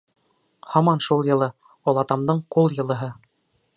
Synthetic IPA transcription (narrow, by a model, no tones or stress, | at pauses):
hɑmɑnʃulˠjɤ̆lˠɤ | ɒlˠɑt̪ɑmd̪ɤɴqulˠjɤ̆lˠɤ̆ɦɤ